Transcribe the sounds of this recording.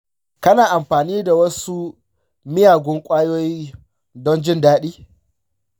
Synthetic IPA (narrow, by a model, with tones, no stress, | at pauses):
kɐ˦naː˨ʔa˨mɸaː˨niː˦da˨wɐ˦su˦ | mɪ˦jaː˨ɡʷʊ˦ŋkʷʼaː˦joː˦jiː˦ | dɔ˦nd͡ʒɪ˦ndaː˦ɗiː˦